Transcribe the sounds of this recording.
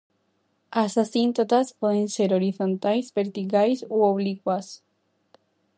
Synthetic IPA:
asasĩnt̪ot̪aspoðẽnseɾoɾiθõnt̪ajzbeɾt̪iɣajsooβlikwas

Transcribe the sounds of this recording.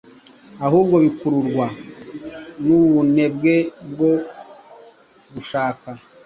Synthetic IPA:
aɦuːbɡo̞βikuɾuɾɡwa | nuβune̞b̚ɡe̞b̚ɡo | ɡuʃaːka

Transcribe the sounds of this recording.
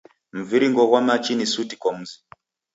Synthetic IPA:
m̩viɾiŋɡɔwamat͡ʃinisutikɔm̩zi̥

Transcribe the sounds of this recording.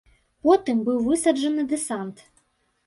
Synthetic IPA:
pɔt̪ɨmbɨwvɨsɐd͡ʐɐnɨd̪ɛsɑnt̪

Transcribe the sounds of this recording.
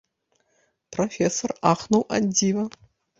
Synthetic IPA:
pʰrofʲesoraːχnowʔɐdiːvɐ

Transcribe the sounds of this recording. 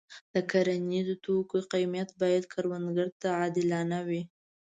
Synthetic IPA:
d̪̥əkaɾanizot̪okoqajmjat̪bɑjad̪kʰaɾwand̪ɡəɾt̪aʕɑd̪ɪlɑnawi

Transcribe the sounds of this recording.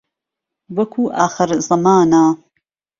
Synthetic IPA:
wɐkʰuːʔaːxəɾzɐmaːnaː

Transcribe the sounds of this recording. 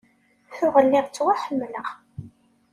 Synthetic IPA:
θʊʁəlːɪʁt͡sːwaħəmːləʁ

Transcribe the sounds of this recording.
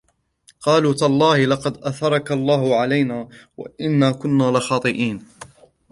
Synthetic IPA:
qɑːluːt̪alˤːɑːhɪlɑqɑd̪ʔaθɑɾˤɑkalˤːɑːhʊʕalajnaːwa̰ʔɪnːaːkʊnːaːlɪxɑːt̪ˤɨʔiːn

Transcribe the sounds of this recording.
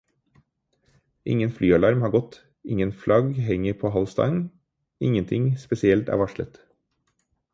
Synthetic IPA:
ʔɪ̰ŋənflyːɑlɑɾmhɑːɡɔt̪ | ɪŋənflɑɡhɛŋəɾpʰoːhɑlst̪ɑ̰ŋ | ɪŋənt̪ʰɪŋspɛsɪɛlt̪æ̰ːʋɑʃlə̰t̪

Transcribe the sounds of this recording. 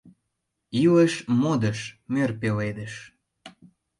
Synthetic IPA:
ileʃmod̪əʃmørpeled̪ə̆ʃ

